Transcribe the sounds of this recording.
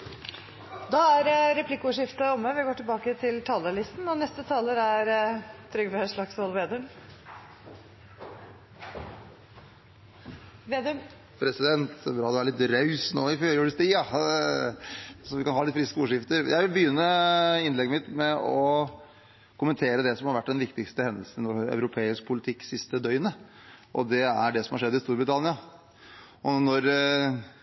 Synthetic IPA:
d̪ɑæɾɾɛpʰlɪkːʊːʂɪft̪ɑɔmːəʋɪɡoːʈɪlbɑːkət̪ʰɪlt̪ʰɑːləɭɪst̪n̩ɔnɛst̪ət̪ʰɑːləɾæɾt̪ʰɾʏɡfəʂɭɑksɔlʋeːd̪əm | ʋed̪ | pʰɾɛsɪd̪ɛnt̪bɾɑːd̪ɛʋælɪt̪ɾɑʉsnoːɪføːɾjuːɖəst̪ʰiːjɑ | sɔʋɪkɑnhɑːlɪt̪fɾɪskəuːʂɪft̪əɾjʔæ̰ɪʋɪlbəjʏnːəɪnlɛɡːəmɪt̪mɛɔ | kʊmənt̪ʰeːɾəd̪ɛsɔmhɑɾʋæʈːd̪ɛnʋɪkt̪ɪkst̪əhɛnd̪əlsnnɔœ̰ʉɾʊpʰeːɪsk̚pʰʊlɪt̪ʰɪkːsɪst̪əd̪œʏnə | ʔɔd̪ɛæɖɛsɔmhɑɾʂɛd̪ːɪst̪uːɾbɾɪt̪ʰɑnɪɑ | ʔɔnɔɾ

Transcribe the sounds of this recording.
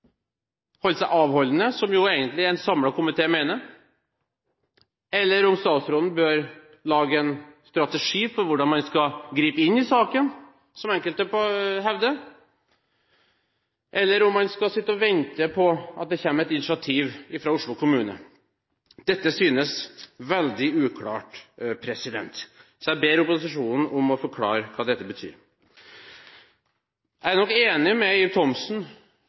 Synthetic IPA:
hɔlsæʔɑːʋhɔlːənəsɔmjʊeːɡənt̪lɪɛnsɑmlɑkʰʊmɪt̪ʰeːmeːnəɾ | ɛlːəɾɔmst̪ɑːt̪sɾoːd̪n̩bøːɾ | lɑːɡəɛnst̪ɾɑt̪ɛʂiːfɔɾʋʊɖɑnmɑnskɑɡɾiːpəɪnːɪsɑːkən | sɔmɛŋkəlt̪əpɔɦɛʋd̪ə | ʔɛlːəɾʊmːɑnskɑsɪt̪ːəɔʋɛnt̪əpʰɔɑ̰t̪̚d̪ɛçɛmːəɛt̪ɪnɪʂɑt̪ʰiːʋɪfɾɑːʊʂɭʊkʰʊmʉːnə̰ | d̪̥ɛt̪ːəsyːnəsʋɛld̪ɪʉːkʰlɑ̰ːʈpʰɾɛsɪd̪ɛ̰nt̪ | sɔjæbeːɾʊpʊsɪʂuːnn̩ʔʊmɔfɔɾkʰlɑ̰ːɾəkʰɑːd̪ɛt̪ːəbət̪ʰy̰ːɾ | ʔæɾnɔkːeːnɪmɛiːt̪ʰɔmsn

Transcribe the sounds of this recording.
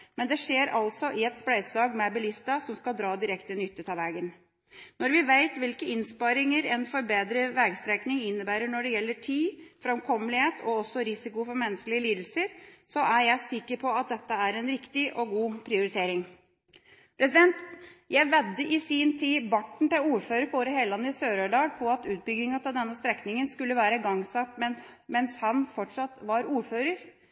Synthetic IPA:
mɛnd̪ɛʂeːɾɑlsɔʔɪɛt̪splæɪd̪slɑːɡmɛbɪlɪst̪ɑsɔmskɑld̪ɾɑːd̪ɪɾɛkt̪ənʏt̪ːət̪ʰɑʋæːɡən | nɔɾʋɪʋæɪt̪ʋɪlkəɪnspɑɾɪŋəɾɛnfɔɾbeːd̪ɾəʋɛɡst̪ɾɛknɪŋɪnːəbæːɾəɳɔɖɛjɛlːəʈʰiːfɾɑmkʰɔməlɪheːt̪ʰɔɔsːɔɾɪsɪkʊfɔɾmɛnːəskəlɪəliːd̪l̩səɾsɔʔæɾjæɪsɪkːəɾpʰɔɑt̪̚d̪ɛt̪ːəæɾɛnɾɪkt̪ɪʔɔɡuːpʰɾɪʊɾɪt̪ʰeːɾɪŋ | pʰɾɛs̬ɪd̪ɛnt̪jæɪʋɛd̪ːəʔɪsiːnt̪ʰiːbɑʈɳ̩t̪ɪuːɾføːɾəpʰɔoːɾəɦeːlɑnːəɪsøːɾøːɖɑːlpʰɔɑt̪ʉːt̪̚bʏɡnɪŋɑt̪ɑld̪ɛnːəst̪ɾɛknɪŋənskʉlːəʋæːɾəɡɑŋsɑpmɛn | mɛnshɑnfɔʈʂɑt̪ːʋɑɾuːɾføːɾəɾ

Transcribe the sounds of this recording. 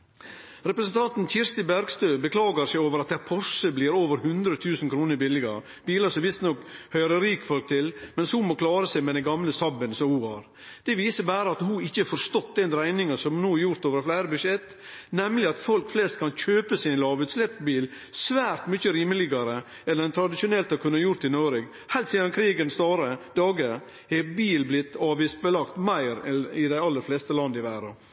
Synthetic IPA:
ɾɛpɾəsənt̪ʰɑnt̪nc͡çɪɾst̪ɪbæɾɡst̪øːbəkʰlɑːɡəɾsæɪoːʋəɾɑt̪̚d̪æɾpʰɔʂəbliːɾoːʋəɾhʉnd̪ɾət̪ʰʉːsən̩kʰɾuːnəɾbɪlːɪɡɑ | b̥iːləsɔʋɪst̪nɔkhœʏɾəɾiːkfɔlk̚t̪ʰɪlmɛnshʊmɔkʰlɑːɾəsæɪmɛd̪ɛnɡɑmləsɑbənsɔmhuhɑɾ | d̪̥ɛʋiːsəbæːɾəɑt̪huɪçːəɛɾfɔɾst̪ɔt̪ːd̪ɛnd̪ɾæɪnɪŋɑsɔmnuːæɾjʊɾt̪oːʋəɾflæɪɾəbʉʂjɛt̪ː | nɛmlɪɑt̪fɔlkflɛst̪̚kʰɑnçøːpəsɪnlɑːʋʉːt̪slɛpːbiːl | sʋæːɾt̪mʏçəɾiːməlɪɡɑɾə | ɛlːəɾɛnt̪ʰɾɑd̪ɪʃʊnɛlt̪ɑkʰʉnːjʊɾt̪ːɪnoːɾɛɡ | hæɪlt̪siːd̪ɑnkʰɾiːɡənst̪ɑːɾəd̪ɑːɡə | hɛbiːlblɪt̪ːɑːʋɪst̪̚bəlɑkt̪mæɪɾɛnɪd̪æɪɑlːəɾflɛst̪əlɑnd̪əɪʋæːɾɑ

